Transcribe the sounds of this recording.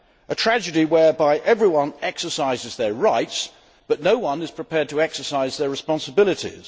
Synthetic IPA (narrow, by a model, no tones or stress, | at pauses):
ʔətʰɹ̥æd͡ʒɨɾiwɛ˞baɪʔɛvɹiwʌ̃nɛksə˞saɪzɨzðəɹaɪts | b̥ʌtⁿnoʊwʌ̃nɨz̥pʰɹ̥ɨpʰɛɹd̚tʰəɛksə˞saɪzðə˞ɹɨspɑ̃nsəbɪlˠɨtḭz̥